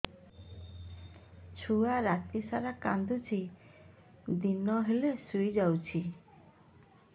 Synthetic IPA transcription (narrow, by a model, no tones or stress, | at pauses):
t͡ʃʰuaɾat̪isaɾakand̪ʱut͡ʃʰi | d̪inɔɦelesujd͡ʒawt͡ʃʰi